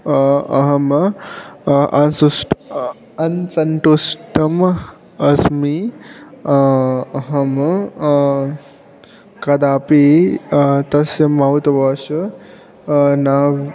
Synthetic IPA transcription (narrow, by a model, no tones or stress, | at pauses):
ɐ̰ɦɐm | ʔɐnsusʈ | ɐnsɐɳʈusʈɐm | ɐsmi | ɐɦɐm | kɐd̪aːpi | t̪ɐsjɐmaut̪ɐʋɐːʃɐ | naː